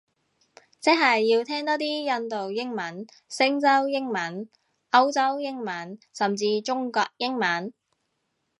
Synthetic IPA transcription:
t͡sɪ˥ɦɐ˨jːiː˧wt̪ʰɛː˥ŋt̪ɔː˥t̪iː˥jɐ˧nt̪o˨wjɪ˥ŋmɐ˨˥n | sɪ˥ŋt͡sɐ˥wjɪ˥ŋmɐ˨˥n | ɐ˥wt͡sɐ˥wjɪ˥ŋmɐ˨˥nsɐ˨mt͡siː˧t͡ʃʊ˥ŋkɔː˧k̚jɪ˥ŋmɐ˨˥n

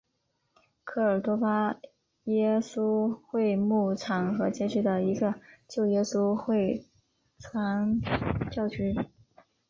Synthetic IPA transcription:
kʰɤ˥˩ə˞˨˩t̪wɔ˥pa˥ | jɛ˥su˥xwe˥˧ɪmu˥˩ʈ͡ʂʰɑ˨˧˥ŋxɤ˧˥t͡ɕjɛ˥ʈ͡ʂɻ̩˥˩d̪ə˩i˧˥ɡə˧t͡ɕjo˥˩ʊjɛ˥su˥xwe˥˩ɪ | t͡sʰwa˧˥nt͡ɕjɑ˥˩ʊt͡ɕy˧˥

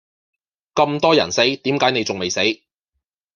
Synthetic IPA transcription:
kɐ˧mt̪ɔː˥jɐ̰˨˩nse˨˥jt̪iː˨˥mkaː˨˥jne˨˧jt͡sʊ˨ŋme˨jse˨˥j

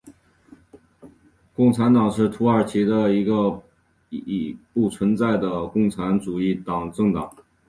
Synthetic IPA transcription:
kʊ˥˩ŋʈ͡ʂʰa˧˥nt̪ɑ˨˩ŋʂɻ̩˥˩t̪ʰu˧˥ə˞˨˩t͡ɕʰi˧˥d̪ə˧i˧˥ɡə˧ | i˨˩pu˥˩t͡sʰwə˧˥nt͡sa˥˩ɪd̪ə˩kʊ˥˩ŋʈ͡ʂʰa˧˥nʈ͡ʂu˨˩i˥˩t̪ɑ˨˩ŋʈ͡ʂɤ˥˩ŋt̪ɑ˨˩˦ŋ

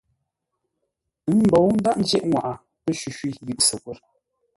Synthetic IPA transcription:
ɨ˨˦nm̩˨bɔ˨wn̩˦da˦ʔn̩˦d͡ʒɛ˦ʔŋwa˨ʔa˨ | pə˦ʃʉ˨ʃwi˦ji˦˨ʔsə˨kwə˦˨ɾ

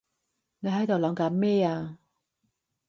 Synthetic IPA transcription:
ne˨˧ɦɐ˨˥jt̪o˨wlɐː˨˧mkaː˨˥mmɛː˥˩aː˧

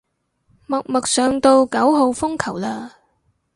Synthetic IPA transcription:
mɐ˨˩k̚mɐ˨k̚sœː˨˩ŋt̪o˧wkɐ˨˥wɦo˨˧wfʊ˥ŋkʰɐ˨˩wlaː˧

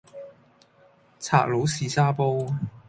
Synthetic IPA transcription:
t͡sʰa̰ː˧k̚lo˨˧˥wsiː˨˧saː˥po˥w

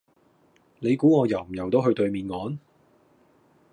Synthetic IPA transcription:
ne˨˧jkuː˨˥ŋɔː˨˧jɐ˨˩wm̩˨˩jɐ˨˩wt̪o˥wɦɵ˧ɥt̪ɵ˧ɥmiː˨˧nŋɔː˨˧˥n

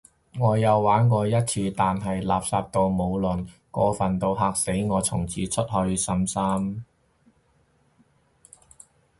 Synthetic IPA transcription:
ŋɔː˨˧jɐ˨˧wːaː˨˥nkɔː˧jɐ˥t̚t͡sʰiː˧t̪aː˨nɦɐ˨jlaː˨p̚saː˧p̚t̪o˧wmo˨˧wlɵ˨˩nkɔː˧fɐ˨nt̪o˧wɦaː˨˧k̚se˨˥jŋɔː˨˧t͡sʰʊ˨˩ŋt͡sʰiː˨˧t͡sʰɵ˥t̚hɵ˧ɥsɐ˧˥msaː˥m

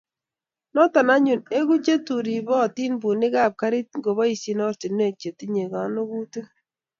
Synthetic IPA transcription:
nɔ˦ta˨na˦ɲu˨ne˦ɡu˦t͡ʃe˦tu˨ɾi˨bɔ˦˨ti˦nbu˨nɪ˦ka˦˨p̚ka˦ɾi˦t̚ŋɡo˨βɔ˦i˨si˨nɔ˦ɾti˨ne˦˨k̚t͡ʃe˨ti˦ɲe˨ɡa˨no˦ɡu˦tu˦

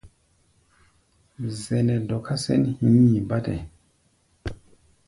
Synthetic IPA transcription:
zɛ˨nɛ˨dɔ˨kʰa˦sɛ̰˦nhĩ˦i˨ba˦tɛ̰˨

